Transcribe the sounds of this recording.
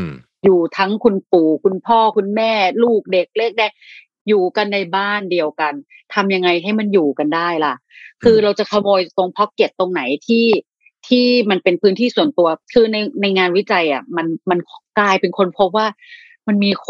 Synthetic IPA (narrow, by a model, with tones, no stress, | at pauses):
juː˨˩t̪ʰa˦˥ŋkʰu˧npuː˨˩kʰu˧npʰɔː˥˩kʰu˧nmɛː˥˩luː˥˩k̚de˨˩k̚leː˥˩k̚daː˧˩ | juː˨˩ka˧nːa˧jbaː˥˩ndi˧əwka˧n | t̪ʰa˧mja˧ŋːa˧jɦa˥˩jma˧njuː˨˩ka˧ndaː˥˩jla˧˦˥kʰɯː˧ɾa˧wt͡ɕa˨˩kʰa˧moː˧jt̪o˧ŋpʰɔ˦˥p̚ke˨˩t̪̚t̪ːo˧ŋna˩˦jt̪ʰiː˥˩ | t̪ʰiː˥˩ma˧npe˧npʰɯː˦˥nt̪ʰiː˥˩su˨˩˦ənt̪u˧ɐkʰɯː˧na˧jna˧jŋaː˧nwi˦˥t͡ɕa˧jʔa˨˩ma˧nma˧nkʰkaː˥˩jpe˧nkʰo˧npʰo˦˥p̚waː˥˩ | ma˧nmiː˧kʰ